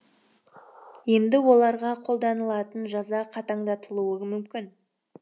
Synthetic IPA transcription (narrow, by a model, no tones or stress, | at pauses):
je̞nd̪ɪwo̞lˠɑɾʁɑqʰo̞lˠd̪ɑnəlˠɑt̪ənʒɑzɑqʰɑt̪ɑɴd̪ɑt̪əlˠuəmʏmkʲɪn